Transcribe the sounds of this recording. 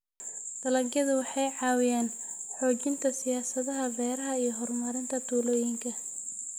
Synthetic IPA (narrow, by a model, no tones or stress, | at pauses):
d̪̥ɐlɐɡjɐðʊwɑħɑjʕɑːwɪjaːn | ħɔːt͡ʃɪnt̪ʰɐsɪjaːsɐðɐɦɐbɛːɾɐɦɐijɞɦɔrmɐɾɪnt̪ʰɐt̪ʰuːlɔːjɪŋkʰɐ